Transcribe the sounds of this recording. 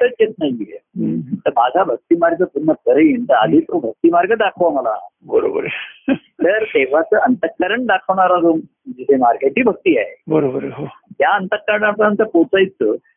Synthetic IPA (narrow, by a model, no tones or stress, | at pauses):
t̪ət͡sjet̪̚najiḛt̪əɾmad͡zʱabʱək̚t̪iːmaɾɡəp̪un̤ːək̪əɾəjent̪aəd̪ʱiːt̪ɾubʱək̚t̪iːmaɾɡəɖ̪akʰəʋaməla̰bəɾobəɾ | əɾt̪eʋat͡səːənt̪əkːəɾəɳʈɖakʰəʋɳ̃aɾad͡zom | d͡ʑit̪ʰemaɾɡeʈiːbʱək̚t̪iːaɦebəɾobəɾəɦot̪jaənt̪əkaɽapəant̪əpot͡sajt͡sə